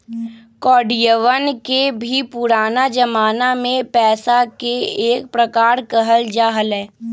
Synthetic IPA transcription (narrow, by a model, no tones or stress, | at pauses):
kɔːɖijəʋənkebʱipʊɾaːnad͡ʒɐmaːnamẽpɛːsakeeːk̚pɾəkaːɾkəɦəld͡ʒaːɦəlɦɛ̃ː